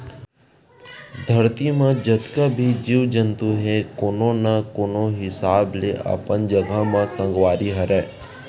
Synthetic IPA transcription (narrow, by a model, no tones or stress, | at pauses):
d̪ʱəɾt̪imãd͡ʒət̪kabʱid͡ʒiʋd͡ʒənt̪uɦɛkoːnonakoːnoɦɪsaːbleʔa̰ːpənd͡ʒəɡʱamãsə̃ŋɡʋaːɾiɦəɾɛː